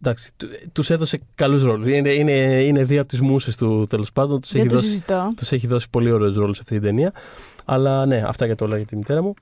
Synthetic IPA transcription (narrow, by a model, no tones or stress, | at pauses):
d̪ɐksi̥t̪t̪use̞ðo̞se̞kɐlus̬ɾo̞lusineineine̞ðioɐpot̪izmusest̪ut̪e̞lo̞spɐnd̪o̞nt̪u̥seçiðosst̪ot̪use̞çiðo̞si̥po̞lio̞ɾe̞osɾo̞lusɐ̥ft̪it̪id̪e̞niɐɐlɐne̞ɐ̰ft̪ɐʝɐt̪olɐɣɐt̪imit̪e̞ɾɐmu